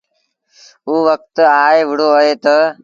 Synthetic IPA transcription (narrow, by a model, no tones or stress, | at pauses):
uːʋək̚t̪aːeːʋɪɽ̤oːəɦeːt̪ə